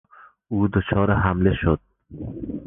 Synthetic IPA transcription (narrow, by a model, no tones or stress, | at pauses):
uːd̪ot͡ʃʰɒːɾaɦamleʃod̪̚